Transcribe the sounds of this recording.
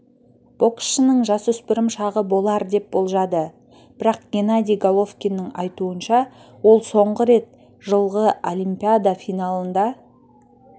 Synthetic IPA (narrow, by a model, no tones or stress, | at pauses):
b̥o̞ksʃənəɴʒɑsʏspɪɾɪmʃɑʁəbo̞lˠɑɾd̪e̞p̚bo̞lˠʒɑd̪ə | b̥ɪɾɑq̚ɡ̥ʲenad̪ʲijɡolˠo̞fkʲinːəŋɑjt̪uənʃɑwo̞lˠso̞ɴʁəɾe̞t̪̚ | ʒəlˠʁəolʲijmpʲiad̪afijnɑlˠənd̪ɑ